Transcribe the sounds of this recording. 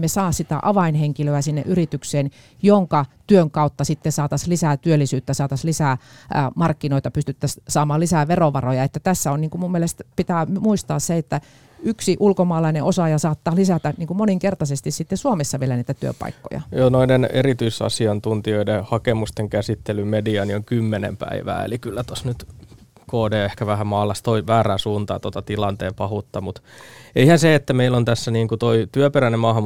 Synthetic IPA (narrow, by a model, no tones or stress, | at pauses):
mesɑːssit̪æ̰ʔɑʋɑinheŋkiløæsinːḛʔyrit̪ykseːn | joŋkɑt̪yøŋkɑut̪ːɑsit̪ːesɑːt̪ɑslisæːt̪yølːisyːt̪ːæsɑːt̪ɑslisæːmɑrkːinoit̪ɑpyst̪yt̪ːæssɑːmɑːlisæːʋeroʋɑrojɑet̪ːæt̪æsːæonniːŋkumumielest̪pit̪æːmuist̪ɑːsseet̪ːæ | yksiʔulkomɑːlɑineʔosɑjɑsɑːt̪ːɑːlisæt̪æniːŋkumoniŋkert̪ɑsest̪issit̪ːesuomesːɑʋielæniːt̪æt̪yø̰pɑ̰ikːo̰jɑ̰joːnoidenḛrit̪yisɑ̰siɑnt̪unt̪ioidehɑkemust̪eŋkæsit̪ːelymediɑnioŋkymːenḛmpæ̰iʋæ̰ːḛlikylːæt̪osnyt̪ | koːdeːehkæʋæhæmɑːlːɑst̪oiʋæːræːsuːnt̪ɑ̰ɑt̪ot̪ɑt̪ilɑnt̪ḛːmpɑhut̪ːɑmut̪eihænseet̪ːæmeilːont̪æsːæniːŋkut̪oit̪yøperænemɑːhɑm